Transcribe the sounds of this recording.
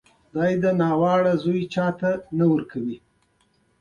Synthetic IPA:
d̪ɑjd̪ənɑwɑɽazujt͡ʃɑt̪anawəɾkawi

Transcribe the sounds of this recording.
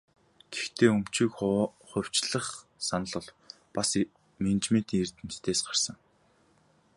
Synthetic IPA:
ɡ̥ext̪ʰeːɵm̥t͡ɕik | χʊ̟w̥ʲt͡ɕɮə̆χsanə̆ɮʊ̆ɮ | pas | ment͡ɕment̪iŋert̪ɘ̆mt̪ʰeːsɢar̥sə̆ŋ

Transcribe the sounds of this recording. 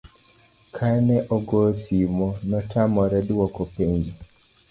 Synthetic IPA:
kʰanɛʔɔɡosimɔnɔtʰamɔɾɛd̪wɔkɔpeɲɡi

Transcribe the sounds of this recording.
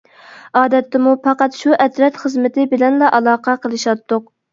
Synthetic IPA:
ɑːd̪ɛt̪ːɪmupʰɑqɑt̪ʃuʔɛt̪ɾɛt̪χəzmɪt̪ɪbɪlɛnlɑʔɑlˠɑːqɑqʰəlˠɨʃɑt̪ʰːʊq

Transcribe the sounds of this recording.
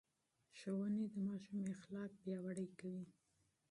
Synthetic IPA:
ʃowəned̪əmɑʃumexlɑk̚bjɑwaɽəjkawi

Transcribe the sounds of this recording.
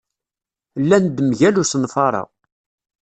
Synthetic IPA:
lːænd̪mʝælusnfɑɾˤɑ̰

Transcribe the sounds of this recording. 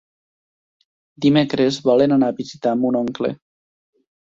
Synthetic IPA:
d̪imekɾezβɔlenanaβizit̪amunoŋklḛ

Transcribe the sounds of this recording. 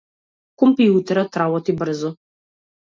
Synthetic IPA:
kɔmpijut̪ɛɾat̪ɾabɔt̪ibr̩zɔ

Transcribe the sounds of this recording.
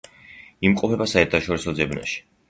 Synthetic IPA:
imqʼɔpʰɛbasaɛɾt̪ʰaʃɔɾisɔd̪zɛbna̰ʃi̥

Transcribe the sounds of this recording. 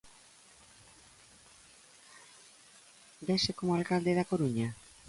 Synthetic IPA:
d̪esekomoalkald̪eð̞akoɾuɲa

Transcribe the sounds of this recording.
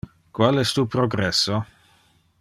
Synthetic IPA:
kwalɛst̪uːpɾoɡɾɛsːo

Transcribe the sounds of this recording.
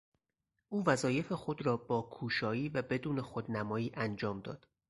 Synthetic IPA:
ʔuːvæzɒːje̞fe̞xo̞d̪rɒːbɒːkʰuːʃɒːiːvæbe̞d̪uːne̞xod̪næmɒːjiːʔænd͡ʒɒːmd̪ɒ̰ːd̪̥

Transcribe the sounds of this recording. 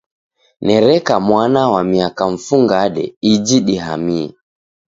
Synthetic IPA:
nɛɾɛkamwanawamiakaɱ̩fuŋɡaɗɛ̰id͡ʒiɗiɦamiɛ

